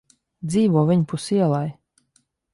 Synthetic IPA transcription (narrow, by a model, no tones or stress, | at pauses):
d̪ziːvuɔvʲiɲpusiɛlˠaj